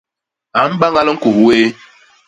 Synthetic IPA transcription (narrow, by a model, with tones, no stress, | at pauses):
a˨˦m̩˦ba˦ŋɡa˦lə˦ŋ̩˦ko˨hu˦e˦